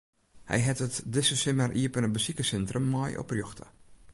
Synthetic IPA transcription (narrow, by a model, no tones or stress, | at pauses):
hɛ̰jɦɛtətdɪsəsɪmərʔiəpənəbəsikəsɛntrəmːɔjʔɔ̰prjoxtʰə̰